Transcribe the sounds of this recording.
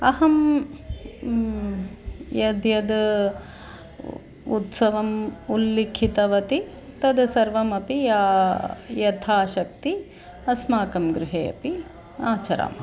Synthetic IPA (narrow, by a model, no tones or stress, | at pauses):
ɐɦɐm | jɐd̪jɐd̪ | ut̪sɐʋɐmulːikʰit̪ɐʋɐt̪i | t̪ɐd̪sɐɾʋɐmɐpiaːjɐt̪ʰaːʃɐk̚t̪i | ɐsmaːkɐmɡɾuɦeːɐ̰pi | aːt͡ʃɐɾa̰ːm